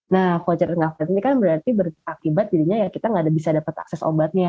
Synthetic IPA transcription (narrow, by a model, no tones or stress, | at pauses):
napot͡ʃərŋafɾt̪nikanbəɾart̪ibərakibat̪̚didiɲajakit̪aŋɡaːdabisadapət̪a̰ksɛso̰bat̪̚ɲa